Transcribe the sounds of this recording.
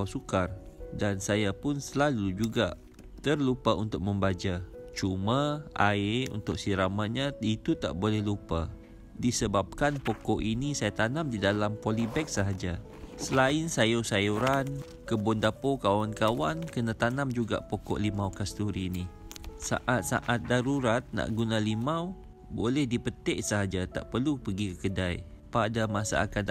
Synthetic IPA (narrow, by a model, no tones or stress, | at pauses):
sukardansajapʊnsəlalud͡ʒuɡa̰ʔ | t̪ərlupaunt̪ʊk̚mə̃mbad͡ʒat͡ʃumaaeṵnt̪ʊk̚siɾamaʔɲãit̪ut̪a̰ʔbolɛhlupa̰ | disəbap̚kanpokɔʔinisajat̪anãmdidalampolibɛk̚saɦad͡ʒa | səlaɪnsajosajuɾan | kəbʊndapokawankawankənat̪anamd͡ʒuɡa̰ʔpokɔ̰ʔlimawkast̪uɾinisa̰ʔat̪̚sa̰ʔat̪̚daɾuɾat̪̚na̰ʔɡunalimaw | bolɛhdipət̪ɛʔsəɦad͡ʒat̪a̰ʔpərlupəɡikəkədaj | padamasa̰a̰kan